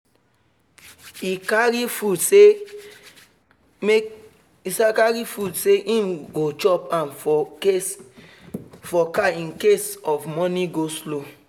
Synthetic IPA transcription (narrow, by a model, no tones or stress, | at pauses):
ikaɾifudse | me | isakaɹifudseʔĩmɡot͡ʃɔpãnfe | fɔkaĩnkesɔfmɔniɡoslo